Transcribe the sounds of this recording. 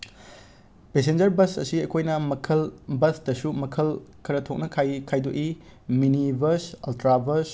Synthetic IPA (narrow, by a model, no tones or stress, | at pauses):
pes̬end͡ʒɐɾbɐsɐ̰siɐkʰojnɐmɐkʰɐlbɐsdɐsumɐkʰɐlkʰɐɾɐtʰok̚nɐkʰajkʰajdoʔiminibɐɾsɐltɾabɐɾs